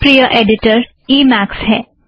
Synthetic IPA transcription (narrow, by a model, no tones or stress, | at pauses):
pɾijəʔeɖiʈəɾ | imaksɦɛː